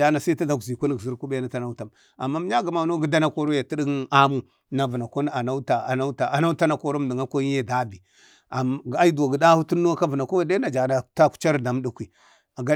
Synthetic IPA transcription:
a˦na˨sa˦ta˦da˨kzi˨kʷu˦n˨ɡzi˦ɾku˦be˦na˦ta˦na˦ta˨m | a˨mːa˦m˦ɲa˦ɡa˨ma˨no˦ɡi˦da˦na˦ko˦ɾo˦ja˨ti˦di˦ɡa˦mu˦ | na˨və˨na˨ko˦n˦a˨na˦ta˨a˨na˦ta˨a˨na˦ta˦na˦ko˦ɾo˦m˨di˨ŋa˦ko˦ji˦je˦da˦bi˨ | a˨ɡa˦i˦da˨ɡi˨da˦hu˦tu˦nːo˦ka˦və˨na˨ko˦˨da˦na˨d͡ʒa˨na˨ta˦ku̥˦t͡ʃa˦ɾda˨m˦du˦kʷi˨ | a˨ɡa˦

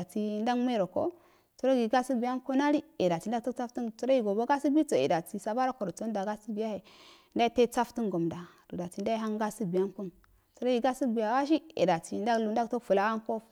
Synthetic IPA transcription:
a˨ti˨nda˦ɡm˦e˦ɾo˨ko̰˦ | t͡su˨ɾo˦ɡi˨ɡa˦su˦bi˨ja˦nko˦na˦ɾi˦i˨da˨ti˨n˦da˦to˦a˦ftu˦tu˦ɾa˦i˨ɡo˨bo˦ɡa˦si˦bi˦to˨ḭ˨da˨ti˨sa˨ba˦ɾa˦ko˨ɾo˨to˦da˨ɡa˦si˦bi˨ja˦he˨ | nda˦i˦te˦t͡sa˦ftu˦nɡo˨mda˨du˨da˨ti˨n˦da˦i˦ɦa˦ŋɡa˦si˦bi˨a˦nku˦n | t͡su˨ɾa˦ɡi˨ɡa˦si˦bi˨ja˨wa˦ʃ̬i˦ḭ˨da˨ti˨nda˦lu˨n˦da˦to˦fu˨la˦a˦ŋko˦

